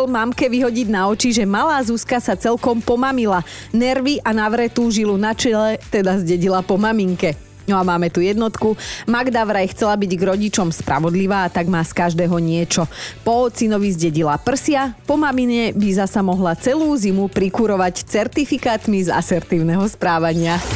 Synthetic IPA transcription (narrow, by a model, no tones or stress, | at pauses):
ɛlmamkɛʋiɦɔɟiɟnaɔt͡ʃiʒɛmalaːzuskasat͡sɛlkɔmpɔmamila | nɛɾʋiʔanaʋɾɛt̪uːʒilunat͡ʃɛlɛt̪ɛd̪azɟɛɟilapɔmamiŋkɛ | nɔamaːmɛt̪ujɛd̪nɔt̪kumaɡd̪aʋɾajxt͡sɛlabiɟɡɾɔɟit͡ʃɔmspɾʔa̰ʋɔd̪liʋaːt̪aɡmaːskaʒd̪ɛːɦɔɲɪɛt͡ʃɔpɔɔt͡sinɔʋizɟɛɟilapr̩sɪapɔmamiɲɛbizasamɔɦlat͡sɛluːzimupɾikuɾɔʋact͡sɛɾt̪ifikaːt̪miza̰sɛɾt̪iːʊnɛɦɔspɾaːʋaɲɪa